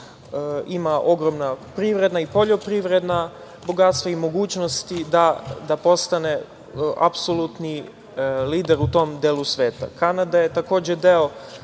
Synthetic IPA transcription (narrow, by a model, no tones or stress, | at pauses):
imaʔo̞ɡɾomnapɾiʋɾe̞d̪naipo̞ʎo̞pɾiʋɾe̞d̪na | bo̞ɡat̪st̪ʋaimo̞ɡuːt͡ɕno̞st̪id̪ad̪apo̞st̪ane̞ | a̰psolut̪ni | liːd̪eɾut̪o̞md̪eːlusʋeːt̪a̰kanad̪aje̞t̪ako̞ːd͡ʑe̞d̪eo